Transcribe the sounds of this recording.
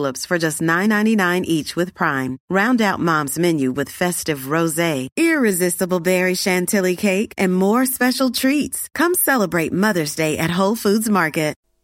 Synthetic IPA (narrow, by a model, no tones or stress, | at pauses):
lˠəpsfə˞d͡ʒʌstⁿnãɪ̃nːãɪ̃ninãɪ̃nʔit͡ʃwɨð̥pʰɹ̥ãɪ̃mɹãʊ̃ndaʊt̚mɑ̃mzmɛ̃njʉwɨð̥fɛstɨvɹoʊzeɪɪɹɪzɪstəbl̩ˠbɛɹiʃæ̃ntʰɪlˠikʰeɪkʰɨ̃nmɔɹspɛʃl̩ˠtʰɹ̥itskʰʌ̃msɛlˠəbɹeɪt̚mʌðə˞zdeɪʔɨt̚ɦoʊlˠfudzmɑɹkɨt̚